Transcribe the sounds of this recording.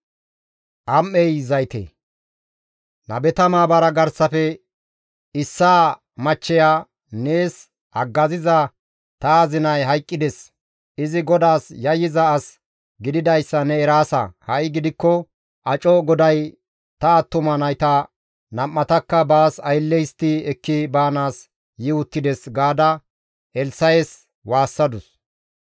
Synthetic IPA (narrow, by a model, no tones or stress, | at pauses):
ʔɐmːɛjzɐjt̪ḛ | nɐ̰bɛt̪ɐmaːbɐɾɐɡɐɾsɐfɛ | ɪsːaː | mɐt͡ʃːɛjaː | ne̞ːs | ʔɐɡːɐzɪzɐ | t̪ɐːzɪnɐjɦɐjkʼːɪd̪ɛs | ɪzɪɡɔd̪aːsjɐjːɪzɐːs | ɡɪd̪ɪd̪ɐjsːɐnɛːɾaːsɐ̰hɐjɡɪd̪ɪkːɔ | ʔɐt͡ʃʼɔɡɔd̪ɐj | t̪ɐːt̪ːʊmɐnɐjt̪ɐ | nɐmːɐt̪ɐkːɐbaːsɐjlːɛjst̪ɪɛkːɪbaːnaːs | jɪʊt̪ːɪd̪ɛsɡaːd̪ɐ | ɛlsɐjes | waːsːɐd̪ʊs